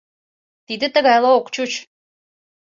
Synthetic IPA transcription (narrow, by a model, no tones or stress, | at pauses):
t̪id̪ə̆t̪ə̆ɣɑjlˠɑokt͡ɕut͡ɕ